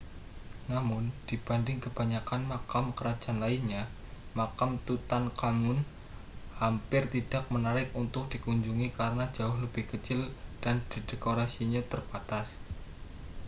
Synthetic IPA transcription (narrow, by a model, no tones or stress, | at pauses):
namʊnd̥ib̥andɪŋkəb̥a̤ɲakanmakamkəɾḁd͡ʒanlainɲa | makamt̪ut̪ankamʊn | hampɪrt̪id̥ak̚mənaɾɪkunt̪ʊk̚d̥ikuɲd͡ʒuŋikaɾənḁd͡ʒ̥aʊhləb̥ɪhkət͡ʃɪld̥and̥id̥ekoɾasiɲat̪ərb̥at̪as